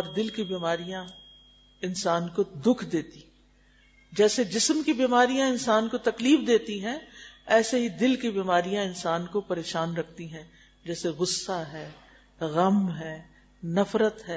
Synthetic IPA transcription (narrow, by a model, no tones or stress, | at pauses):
ɔːɾd̪ɪlkibiːmaːɾijã | ɪnsaːnkod̪ʊkʰd̪eːt̪i | d͡ʒɛːsed͡ʒɪsmkibiːmaːɾijãɪnsaːnkot̪ɐkliːfd̪eːt̪iɦɛ̃ɛːseɦid̪ɪlkibiːmaːɾijãɪnsaːnkopɐɾeːʃaːnɾɐkʰt̪iɦɛ̃ | d͡ʒɛːseɣʊsːaɦɛː | ɣɐmɦɛː | nɐfɾət̪ɦɛː